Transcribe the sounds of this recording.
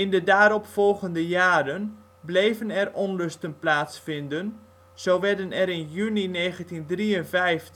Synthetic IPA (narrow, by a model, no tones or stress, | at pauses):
ɪndədaːɾɔpfɔlˠɣəndəjaːdən | blejvənɛrʔɔnrøstənplaːtsfɪndən | z̥owʋɛdənɛɾɪnjynineːɣəntindriənvɛjftə